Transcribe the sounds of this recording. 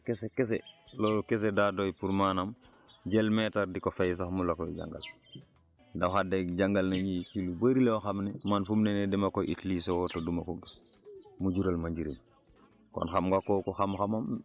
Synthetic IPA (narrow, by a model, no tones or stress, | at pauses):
kesekes̬eloːlkes̬edadojpuɾmaːnam | ɟelmetaɾdikofajs̬axmulokoɟa̰ŋɡa̰l | dawxadeɟaŋɡalnaɲikilubaɾilewoxamnemanfumnenedemakoʔitlisewotodumakoɡis | muɟuɾalmaɲɟiɾim | ko̰nxamɡakokoxamxamam